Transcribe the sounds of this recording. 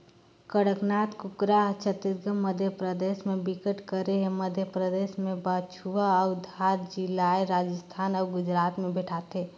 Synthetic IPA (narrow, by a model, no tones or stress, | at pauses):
kəɽəknaːt̪kukɾat͡ʃʰət̪iɾɡəmːəd̪ʱjəpɾəd̪eːsmẽbɪkəʈkəɾeɦeməd̪ʱjəpɾəd̪eːsmẽbət͡ʃʰuʋaɔd̪ʱaɾd͡ʒɪlaeɾaːd͡ʒəst̪ʰaːnɔːɡʊd͡ʒɾaːt̪mẽbɛʈʰat̪eː